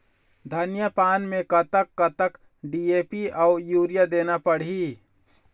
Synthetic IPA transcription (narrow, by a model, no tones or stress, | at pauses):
d̪ʱənjəpaːnmẽkət̪əkːət̪ək | ɖieːpiʔaʊjuːɾijad̪eːnapəɽ̤i